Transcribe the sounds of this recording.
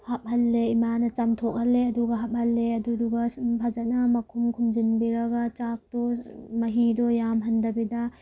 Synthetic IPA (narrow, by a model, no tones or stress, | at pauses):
hap̚hɐlːeimanɐt͡ʃɐmtʰok̚hɐlːeɐduɡɐɦap̚hɐlːeɐduduɡabʰʱazɐt̚nɐmɐkʰumkʰumd͡ʒinbiɾɐɡat͡ʃak̚tɔmɐɦidɔjamɦɐndɐbidɐ